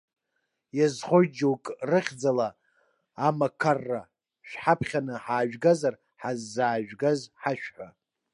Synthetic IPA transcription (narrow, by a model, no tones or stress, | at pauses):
jazχojd͡ʒowkʼrɨχʲd͡zalaː | makʰarːa | ʃᶣħapʰχʲanɨħaːʒᶣɡazar | ħazːaːʒᶣɡazħaʃᶣħʷa